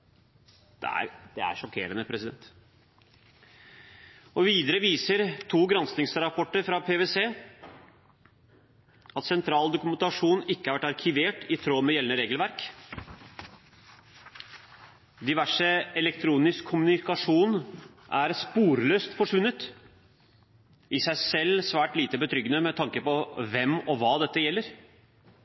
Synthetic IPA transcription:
d̪̥ɛ̰æ̰ɾd̪̥ɛæ̰ɾʂɔkʰḛːɾənəpʰɾɛsɪd̪ɛ̰nt̪ | ɔʋiːd̪əɾəʋiːsəɾt̪ʰuːɡɾɑnsnɪŋsɾɑpʰɔʈːəɾfɾɑpʰeːʋeseː | ʔɑt̪sɛnt̪ʰɾɑːld̪ʊkʉmɛnt̪ɑʂuːnɪkːəhæɾʋæʈːɑɾkʰɪʋeːʈɪt̪ʰɾoːmɛjɛlənəɾeːɡəlʋæɾk | d̪ɪʋæʂəɛlɛkt̪ʰɾuːnɪskʰːʊmʉnɪkɑʂuːn | ʔæɾspuːɾløːst̪fɔʂʋʉnːət̪ | ʔɪsæɪsɛlːsʋæːʈliːt̪əbət̪ʰɾʏɡənəmɛt̪ʰɑŋkəpɔʋɛmːɔʋɑːd̪ɛt̪ːəjɛlːəɾ

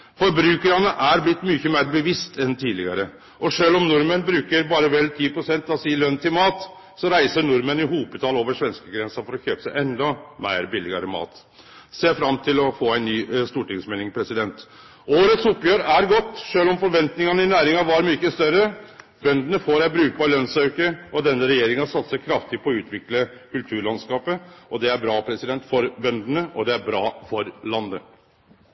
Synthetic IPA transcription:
fɔɾbɾʉːkəɾɑnəʔæɾblɪt̪ːmyːçəmeːɾbəʋɪst̪ʰɛnt̪ʰiːd̪lɪ̰ɡɑ̰ɾə | ʔɔʂøːlɔmnʊɾmənbɾʉːkəɾbɑːɾəʋɛlːt̪ʰiːpʰɾʊsɛnt̪ɑʋsiːlœnːt̪ʰɪlmɑːt̪ | sɔɾæɪsəɳʊɾmənɪɦuːpət̪ʰɑloːʋəʂʋɛnskəɡɾɛnsɑfɔɾɔçøːpəsæɪʔɛnd̪ɔmæ̰ɪɾbɪlːɪɡɑ̰ɾəmɑ̰ːt̪ | seːfɾɑmt̪ʰɪlɔfoːæɪnnyːst̪uːʈɪŋsmeːlɪŋpʰɾɛsɪd̪ɛnt̪ | oːɾət̪sʊpːjøːɾæɾɡɔt̪ːʂøːlɔmfɔɾʋɛnt̪nɪŋɑnəɪnæːɾɪŋɑʋɑɾmykːəst̪œɾə | bœnd̪ənəfoːɾæbɾʉːk̚bɑːɾlœnsœʉkəɾɔd̪ɛnːəɾɛjeːɾɪŋɑsɑt̪səkʰɾɑft̪ɪpʰɔɔʉːt̪ʰʋɪkləkʉlt̪ʰʉːɾɭɑnskɑːpəʔɔd̪ɛæɾbɾɑːpʰɾɛsɪd̪ɛnt̪fɔɾbœnd̪ənəʔɔd̪ɛæɾbɾɑːfɔɾlɑnd̪ə

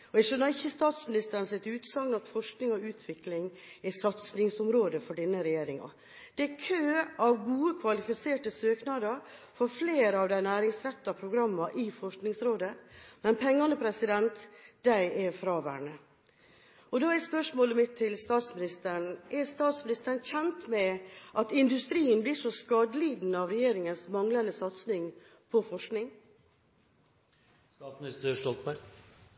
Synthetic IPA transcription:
ɔɛɡʂønɑɾɪçːəst̪ɑːt̪smɪnɪst̪əɾnsɛt̪ʉːt̪sɑŋnɑt̪fɔʂknɪŋɔʉːt̪ʰʋɪklɪŋ | ɛsɑt̪snɪŋsʊmɾoːd̪əfɔɖɪnːəɾɛjeːɾɪŋɑ̰ | d̪̥ɛɛkʰøːɑʋɡuːəkʰʋɑlɪfɪseːʈəsøːknɑd̪əɾfɔɾfleːɾəɑʋd̪æɪnæːɾɪŋsɾɛt̪ːɑpʰɾʊɡɾɑmːɑʔɪfɔʂknɪŋsɾoːd̪əmɛnpʰɛŋːɑnəpʰɾɛsɪd̪ɛnt̪d̪̥æɪʔɛfɾɑːʋæ̰ːɳə | ɔd̪ɑːɛɾspœʂmoːləmɪt̪ʰːɪlst̪ɑːt̪smɪnɪst̪əɳʔɛst̪ɑːt̪smɪnɪst̪əɳçɛnt̪mɛʔɑt̪ɪnd̪ʉst̪ɾiːənbliːʂɔskɑːd̪əliːd̪n̩ɑʋɾɛjeːɾɪŋənsmɑŋlɑnd̪əsɑt̪snɪŋ | pʰɔfɔʂknɪŋ | st̪ɑːt̪smɪnɪst̪ɾəʂɔlt̪̚mɛ

